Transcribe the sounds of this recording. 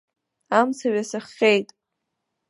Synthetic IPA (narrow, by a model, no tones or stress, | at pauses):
amt͡sʰaɥasɨχːejtʼ